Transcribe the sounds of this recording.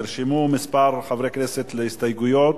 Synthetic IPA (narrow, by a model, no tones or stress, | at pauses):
iɾʃimumispaɾχavɾekneset̪leist̪ajɡujot̪